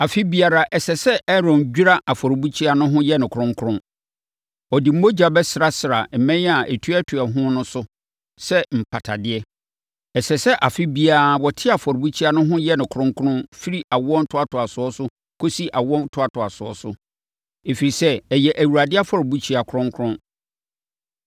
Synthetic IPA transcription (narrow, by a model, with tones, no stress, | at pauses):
a˨fɪ˦bi˦a˨ɾa˦ʔɛ˨sɛ˨sɛ˦ɛ˦ɾɔ̃˨nd͡ʑᶣu˦ɾa˦ʔa˨fɔ˨ɾbu˦t͡ɕʰi˦a˨nʊ̃˦ɦʊ̃˦jɛ˦nɪ̃˨kʰʊ˨ɾʊ̃˦ŋ˦kʰʊ˦ɾʊ̃˦ | ɔ˨di˨m̩˦o˦d͡ʑa˨bɛ˦sɪ˨ɾa˦sɪ˨ɾa˨m̩˨mɛ̃˦a˨ʔɛ˨tʰu˦ɛ˦tʰʊ˨a˨ɦʊ̃˦nʊ̃˦sʊ˦ | sɛ˦m̩˨pʰa˨tʰa˨dɪ˦ɛ˦ | ɛ˨sɛ˨sɛ˦ʔa˨fɪ˦bi˦a˦wɔ˨tʰɪ˦a˨fɔ˨ɾbu˦t͡ɕʰi˦a˦nʊ̃˦ɦʊ̃˦jɛ˦nɪ̃˨kʰʊ̃˦ŋkʰʊ˦nʊ̃˦nfi˦ɾi˦ʔa˨wɔ̃˦n̩˦tʰʊ˦a˨tʰʊ˨a˨sʊ˨˦ɔ˦sʊ˦ | kʰo˦si˦ʔa˨wɔ̃˦n˦tʰʊ˦a˨tʰʊ˨a˨sʊ˨ɔ̰˨sʊ˦ | e˨fi˨ɾi˨sɛ˦ɛ˨jɛ˨ʔæ˨wu˨ɾa˨dɪ˦a˦fɔ˨ɾbu˦t͡ɕʰi˦a˨kʰʊ˦ɾʊ̃˦ŋkʰʊ˦ɾʊ̃˦n